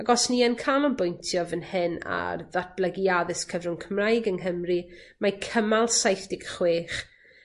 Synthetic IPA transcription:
aɡɔsniɛnkʰalɔnbʊjntʰjɔvənhɪna̰rðat̚ʰb̥ləɡiaðɪskʰəvrʊnkʰəmrajɡəŋɦəmrimakʰəmalˠsajθd̥ɪɡ̥χweːχ

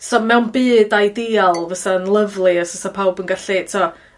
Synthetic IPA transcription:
sɔmɛwnbiːdajdialˠvasaənlˠəvlˠiəsəsapʰawbənɡaɬitʰɔ

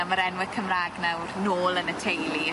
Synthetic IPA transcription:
aməɾɛnwɪ̥kʰəmraːɡnawrnoːlˠənətʰejlˠi

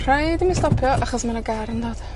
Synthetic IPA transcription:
r̥ajdimistɔpʰjɔʔaχɔsmanɔɡaɾɪndoːd̥

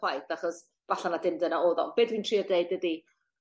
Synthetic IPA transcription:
wajθaχɔs | v̥aɬanadɪmdənaoːðɔ̰b̥eːdwintʰr̥iːɔdejd̚ədi

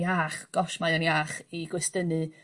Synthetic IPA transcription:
aːχɡ̥ɔʃmajɔnjaːχiɡwɪstənɨ

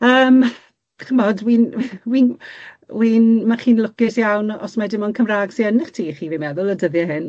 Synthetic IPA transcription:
əːm | χəmɔdwiːnwinwiːnmaχiːnlˠʊkɪsjawnɔ̰smadɪmɔnkʰəmraːɡsiənɪχtʰiːχiːviːmɛðʊlˠədəðjɛɦɪn

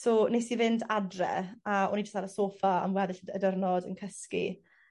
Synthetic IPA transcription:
soːnesivɪndadrɛ̰aɔ̰nid͡ʒə̥staɾəsoːfaa̰mwɛðɪɬədərnɔdə̰nkʰəskḭ

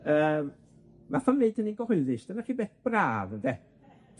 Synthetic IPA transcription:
əːm | vafanneɨd̥əninɡ̥ɔhʊðɨʃd̥ənariːbɛθb̥raːðənde

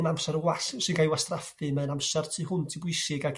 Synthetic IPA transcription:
mamsɛɾəwassɨnɡajwastrafɨmɛnamsɛrtʰiːhʊntʰibʊɨsɪɡaɡ

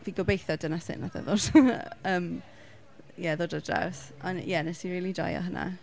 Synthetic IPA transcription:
viɡɔbejθɔdənasɪ̰nvaθa̰ðoːd̥əːm | jɛðoːdɔdra̰wsɔnjɛnɛsiɾiːlˠida̰jɔ̰ɦəna̰

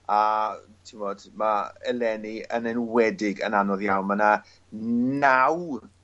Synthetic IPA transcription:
atʰivɔːd̥maɛlɛniənɛnwɛdɪɡənanɔðjawnməna | naw

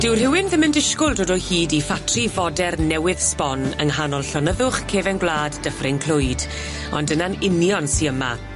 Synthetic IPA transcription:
d̥ɪwr̥hɪwɪnðɪməndɪʃkʊlˠdoːdɔhiːdifatʰrivɔdɛrnɛwɪðspɔnəŋɦanɔlˠɬɔnəðʊχkʰeːvɛnɡwlˠaːdːəfrɪnkʰl̥ʊɨd | ɔ̰ndənanɪnjɔnsiəma̰

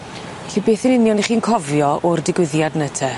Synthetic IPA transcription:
ɬibeːθənɪnjɔniχiːnkʰɔvjɔʔɔrdɪɡwɪðjadnətʰɛ

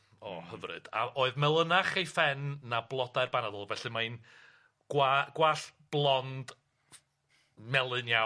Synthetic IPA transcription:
ɔhəvrɨ̰d̥a̰ʔoːɨðmɛlˠənaχejfɛnːablˠɔdaɨrbanadɔlˠvɛɬɨmaɨn | ɡ̥waɡ̥waɬb̥lˠɔnd̥ | mɛlˠɨnja

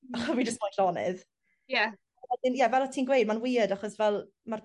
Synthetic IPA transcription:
aχɔvid͡ʒəstmaɬɔnɪ̰ð | ja | wɛdɪnjɛvɛlˠatʰiːnɡwejd̚manwiːədaχɔsvɛlˠ | mar

